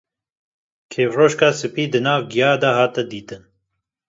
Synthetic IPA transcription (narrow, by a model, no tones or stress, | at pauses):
kʰeːfroːʃkaːsɨpiːd̪ɨnɑːvɡijɑːd̪ɐhɑːt̪ɛd̪iːt̪ɨn